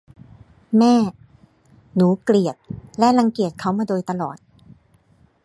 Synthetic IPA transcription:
mɛː˥˩ | nuː˩˦kli˨˩ət̚lɛ˦˥ʔla˧ŋki˨˩ət̪̚kʰa˦˥˩wmaː˧doː˧jt̪a˧lɔː˨˩t̪̚

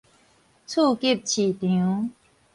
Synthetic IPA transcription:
t͡sʰu˥˨ki˥˨p̚t͡ɕʰi˨t̪i˨ũ˨˦

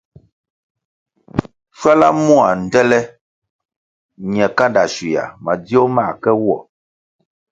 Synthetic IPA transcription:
ʃwa˦la̰˦mu˦a˨n̩˨dɛ˦lɛ˦ | ɲ˨ɛ˨ka˦da˨ʃi˨ja̰˨ma˨djo˦ma˦˨kɛ˦wɔ̰˦˨

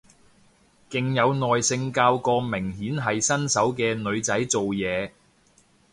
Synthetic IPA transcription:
kɪ˨ŋjɐ˨˧wnɔː˨jsɪ˧ŋkaː˧wkɔː˧mɪ˨˩ŋɦiː˨˥nɦɐ˨jsɐ˥nsɐ˨˥wkɛː˧nɵ˨˧ɥt͡sɐ˨˥jt͡so˨wjɛː˨˧

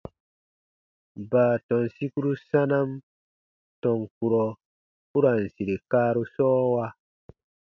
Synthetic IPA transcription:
baː˨tɔ̃˨nsi˦ku˦ɾu˦sa˦na˦m | tɔ̃˨ŋku˨ɾɔ˨ | u˦ɾa˨n˨si˨ɾe˨kaː˦ɾu˧sɔː˦wa˧

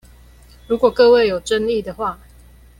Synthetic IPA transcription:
ɻu˨˥kwɔ˨˩kɤ˥˧we˥˨ɪjo˨˩ʊʈ͡ʂə˦nli˥˨d̪ə˨xwa˥˨

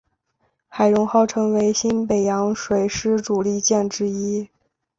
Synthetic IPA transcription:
xa˨˩ɪɻʊ˧˥ŋxɑ˥˩ʊʈ͡ʂʰɤ˧˥ŋwe˧˥ɪɕi˥npe˨˩ɪjɑ˧˥ŋʂwe˨˧˩ɪʂɻ̩˥ʈ͡ʂu˨˩li˥˧t͡ɕjɛ˥˩nʈ͡ʂɻ̩˥i˥

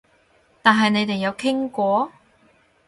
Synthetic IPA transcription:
t̪aː˨nɦɐ˨jne˨˧jt̪e˨jɐ˨˧wkʰɪ˥ŋkʷɔː˨˥

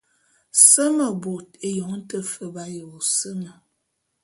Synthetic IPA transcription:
sə˦mə˨bo˨te˨jo˨ŋ˦n̩˦tə˦fə˦ba˦jə˨o˨sə˦mə˨

